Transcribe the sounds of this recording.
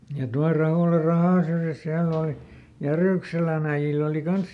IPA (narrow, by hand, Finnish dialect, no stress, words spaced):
jɑ tuɑl rɑhoˑlɑ rɑhɑˑn̞ syrjæs siælː oˑli jæryˑkselæn æij̆il oˑli kɑns